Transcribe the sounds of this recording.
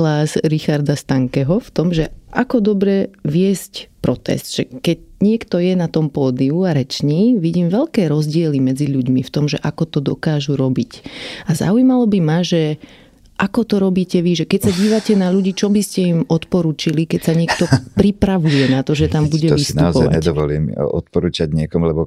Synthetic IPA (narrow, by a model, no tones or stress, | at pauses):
laːzɾixaɾd̪ast̪aŋkɛɦɔft̪ɔmʒɛʔakɔd̪ɔbɾɛʋɪɛscpɾɔt̪ɛ̰sd̪̥ʒ̥ɛkɛɟɲɪɛkt̪ɔjɛnat̪ɔmpɔːd̪iuaɾɛt͡ʃɲiːʋiɟiːmʋɛʎkɛːɾɔzɟɪɛlimɛd͡ziʎuɟmift̪ɔmʒɛʔakɔt̪ɔd̪ɔkaːʒuɾɔbicaza̰ujmalɔbimaʒɛ | ʔakɔt̪ɔɾɔbiːcɛʋiʒɛkɛcsaɟiːʋacɛnaʎuɟiːt͡ʃɔbiscɛimɔt̪pɔɾuːt͡ʃilikɛcsaɲɪɛkt̪ɔpɾipɾaʋujɛnat̪ɔʒɛt̪ambuɟɛʋistnuaɔzpɔa̰jaɲɛd̪ɔʋɔlḭːmɔ̰t̪pɔɾuːt͡ʃaɟɲɪɛkɔmulɛbɔ